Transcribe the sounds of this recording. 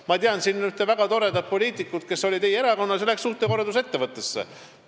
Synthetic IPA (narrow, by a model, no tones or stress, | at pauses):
mɑt̪iɑnsiːnonyt̪ːˑevæɡ̥ɑt̪o̞ɾe̞d̪ɑ̥po̞lʲiːt̪ˑikːˑut̪̚ke̞so̞lʲit̪ejeeɾɑko̞nːɑseleksːuht̪eko̞rd̪use̞t̪ːe̞vɤt̪ˑːesːḛ